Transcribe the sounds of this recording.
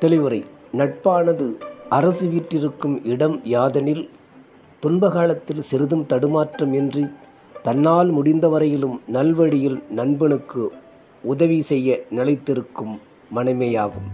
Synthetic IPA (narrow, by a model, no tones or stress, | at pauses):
t̪ːɐlɪʋɐɾɐɪnɐʈ̚paːnɐðɯʔɐɾɐsɯʋiːʈrɪɾɯkːɯmɪɽɐmjaːðɐnɪl | t̪ʊnbɐɣaːlɐt̪ːɪlsɪɾɯðɯmt̪ɐɽɯmaːʈrɐmɛndri | t̪ɐnːaːlmʊɽɪnd̪ɐʋɐɾɐjɪlɯmnɐlʋɐɽɪjɪlnɐnbɐɳɯkːɯ | ʊðɐʋisɛjːɐnɪlɐɪt̪ːɪɾɯkːɯmː | ɐnɐɪmejaːɣɯm